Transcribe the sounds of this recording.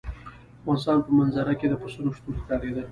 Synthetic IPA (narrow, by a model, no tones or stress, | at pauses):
ɑnsɑnpəmanzaɾaked̪əpəsuɾoʂt̪ulkɑɾed̪əl